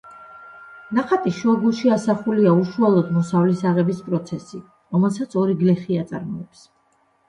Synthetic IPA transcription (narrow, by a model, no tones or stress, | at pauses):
naχat̪ʼiʃuɔɾɡulˠʃiasaχuliauʃualˠɔd̪mɔsavlisaʁɛbispʼɾɔt̪sʰɛsi | ɾɔmɛlˠsat̪sʰɔɾiɡlɛχiat̪sʼaɾmɔɛps